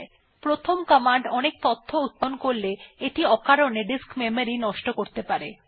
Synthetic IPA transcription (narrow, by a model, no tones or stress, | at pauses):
e | pɾot̪ʰomkəmaɳɖɔnek̚t̪ot̪ʰːout̪̚ːonkoɾleeʈiɔkaɾoneɖiskmemoɾinɔʃʈokoɾt̪epaɾe